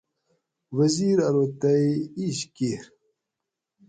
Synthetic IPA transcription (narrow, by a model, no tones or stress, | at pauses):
wɐziːɾɐɾot̪ɐiiɕkeɾ